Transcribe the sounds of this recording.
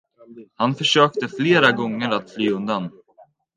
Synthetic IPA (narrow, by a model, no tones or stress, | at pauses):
hanfœʂøːk̚t̪əfleːɾaɡɔŋːəɾat̪flyːɵnd̪an